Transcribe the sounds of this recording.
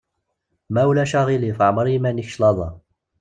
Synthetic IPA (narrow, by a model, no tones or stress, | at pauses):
mæwlæʃɑʁilifʕməɾˤimæniçʃlɑðˤɑ